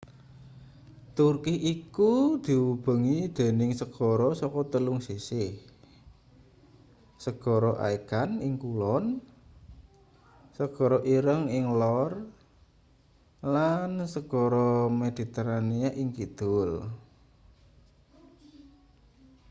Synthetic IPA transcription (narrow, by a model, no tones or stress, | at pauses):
t̪urkɪhʔikud̪̥i̤wub̥ə̤ŋid̪̥e̤nɪŋsəɡ̥ɔ̤ɾɔsɔkɔt̪əlʊŋsisɪh | səɡ̥ɔ̤ɾɔʔa̰iɡ̥anɪŋkulɔn | səɡ̥ɔ̤ɾɔʔiɾəŋɪŋlɔr | lansəɡ̥ɔɾɔmed̪̥i̤t̪eɾaniaʔɪŋkid̪̥ʊl